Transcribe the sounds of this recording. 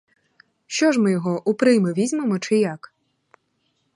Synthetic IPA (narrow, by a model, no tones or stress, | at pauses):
ʃt͡ʃɔʒmɪjɔɦɔʔʊpɾɪjmeʋʲizʲmemɔt͡ʃɪjak